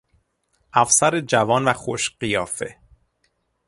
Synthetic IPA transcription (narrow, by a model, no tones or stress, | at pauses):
ʔæfsæɾed͡ʒævɒːnvæxoʃɢijɒːfe̞̰